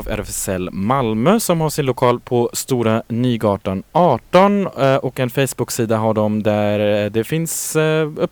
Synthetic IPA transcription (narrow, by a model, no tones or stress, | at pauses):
væ̰ɾfɛsɛlːmalmøːsɔmhaʂɪnlʊkʰɑːlpʰɔst̪uːɾanyːɡɑːʈanɑːʈɔnʔɔkɛnfɛjsbʊksiːd̪aɦaɖɔmd̪æɾd̪ɛfɪnsɵpː